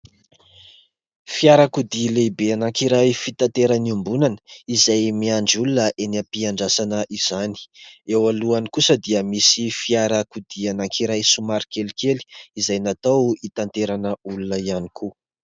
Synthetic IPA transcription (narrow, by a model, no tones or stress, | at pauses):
fiaɾakud̪ilebeanakiɾajfit̪ant̪eɾaniumbunanə̥izajmiaɳɖ͡ʐiulunəʔeniapiaɳɖ͡ʐasanəʔiz̥ani̥ewaluanikusəd̪iəmisifiaɾakud̪ianaŋkiɾajsumaɾikelikeli̥izajnat̪awit̪ant̪eɾanəulunəianiku